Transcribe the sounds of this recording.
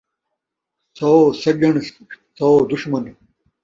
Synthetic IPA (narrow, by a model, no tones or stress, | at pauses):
sosɐɡɐɳ | sod̪uʂmɐn